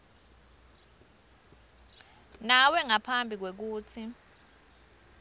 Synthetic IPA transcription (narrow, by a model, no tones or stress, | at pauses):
nawɛŋapʰambʱik̬wek̬uːt͡sʰi